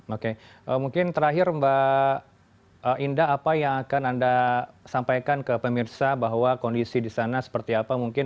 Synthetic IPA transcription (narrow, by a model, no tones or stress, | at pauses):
okeʔəmuŋkɪnt̪əɾaɦɪɾmba | ʔəʔindaɦapajaŋakanandasampajkankəpəmirsabaɦwakondisidisanasə̥pərt̪iapamuŋkɪn